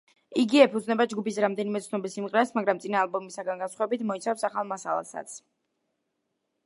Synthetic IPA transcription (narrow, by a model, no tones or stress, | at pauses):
iɡiɛpʰud̪znɛbad͡ʒɡupisɾamd̪ɛnimɛt̪sʰnɔbisimqʼɾɛsmaɡɾamt̪sʼinaːlˠbɔmisaɡanɡansχwɔɛbit̪ʰmɔit̪sʰafsaχalˠmasalˠa̰sa̰t̪sʰ